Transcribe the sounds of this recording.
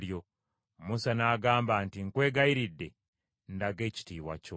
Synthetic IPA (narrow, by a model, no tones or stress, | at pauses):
jo̞ | musanaɡaːmbantiŋkwe̞ːɡaiɾidːe̞ | ndaɡe̞ːci̥tiːwa̰co